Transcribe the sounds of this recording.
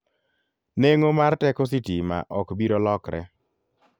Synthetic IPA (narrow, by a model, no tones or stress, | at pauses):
neŋomartɛkos̬itima̰ʔɔkbiɾolɔkɾɛ̰